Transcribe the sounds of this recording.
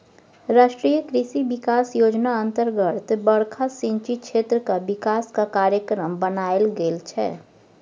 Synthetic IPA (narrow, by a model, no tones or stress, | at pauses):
ɾaːʃʈɾijəkɾisibikaːsjod͡ʒnaənt̪əɾɡət̪bəɽkʰasĩnt͡ʃit͡ʃʰet̪ɾəkabɪkaskakaɾjəkɾəmbənaelɡelt͡ʃʰɛ̰